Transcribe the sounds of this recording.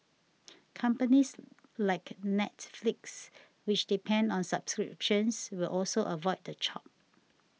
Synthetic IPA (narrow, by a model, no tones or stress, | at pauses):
kʰʌ̃mpənis | laɪknɛtfliks | wɪt͡ʃdipʰɛ̃ndɔ̃nsabskɹḭpʃə̃nswilʔɔlsoʔəvɔɪd̚dət͡ʃʰɔ̰p̚